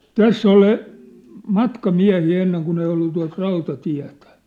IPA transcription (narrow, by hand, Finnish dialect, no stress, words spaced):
tæsː oli mɑtkɑmiæ̝hiː enːeŋ kun ei olːu tuɑt rɑutɑtiæ̝tæ̥